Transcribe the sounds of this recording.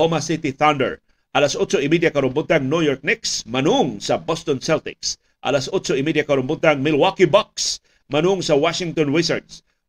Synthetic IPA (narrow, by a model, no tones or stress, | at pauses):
omasɪt̪ɪθand̪ɛ̰ɹ | ʔɐlasʔʊt̪soɪmid̪jakɐɾʊmbʊt̪aŋnujɔɹk̚nɪksmɐnuŋsɐbɔst̪ɔnsɛlt̪ɪ̰ks | ʔɐ̰lasʔʊtt͡ʃoʔɪmid̪jakɐɾʊmbʊt̪aŋmɪlwakibaks | mɐnʊŋsɐwaʃɪŋt̪ɔnɹɪsəɹd̪s